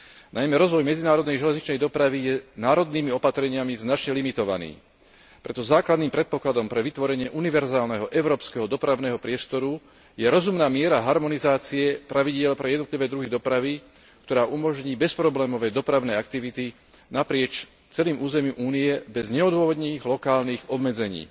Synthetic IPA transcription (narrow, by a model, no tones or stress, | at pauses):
najmɛɾɔzʋɔjmɛd͡zinaːɾɔd̪nɛjʒɛlɛzɲit͡ʃnɛjd̪ɔpɾaʋijɛnaːɾɔd̪niːmiɔpat̪ɾɛɲɪamiznat͡ʃɲɛlimit̪ɔʋa̰nḭː | pɾɛt̪ɔzaːklad̪niːmpɾɛt̪̚pɔklad̪ɔmpɾɛʋit̪ʋɔɾɛɲɪɛʔuniʋɛɾzaːlnɛɦɔʔɛʊɾɔːpskɛɦɔd̪ɔpɾaʊnɛɦɔpɾɪɛst̪ɔɾu | jɛɾɔzumnaːmɪɛɾaɦaɾmɔnizaːt͡siɛpɾaʋiɟɪɛlpɾɛjɛd̪nɔt̪liʋɛːd̪ɾuɦid̪ɔpɾaʋi | kt̪ɔɾaːʔumɔʒɲiːbɛspɾɔblɛːmɔʋɛd̪ɔpɾaʊnɛːakt̪iʋit̪i | napɾɪɛt͡ʃ | t͡sɛliːmʔuːzɛmumʔuːniɛbɛzɲɛɔd̪ʊwɔʋɔd̪niːɣlɔkaːlniːɣɔbmɛd͡zɛɲḭː